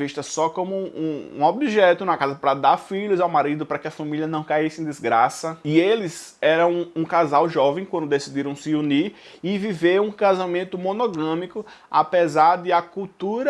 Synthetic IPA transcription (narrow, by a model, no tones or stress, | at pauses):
viʃt̪ɐsɔkõmʊũṵ̃obiʒɛt̪ʊnɐkazɐpɾɐd̪aɾfiʎʊzawmaɾid̪ʊpɾɐkɪɐfɐ̃miliɐnɐ̃w̃kaisɪẽd̪ɪzɡɾasɐielɪz | ɛɾɐ̃w̃ũkazawʒɔvẽj̃kwɐ̃nd̪ʊd̪esid̪iɾɐ̃w̃sɪuniɾ | ɪviveũkazamẽnt̪ʊmõnoɡɐ̃mikʊa̰pezaɾd̪ɪɐkuwt̪uɾɐ